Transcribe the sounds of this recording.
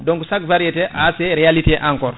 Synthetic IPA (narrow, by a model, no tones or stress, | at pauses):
dɔ̃ŋkusakvaɾiɛtɛʔaseɾialitiʔãŋkɔɾ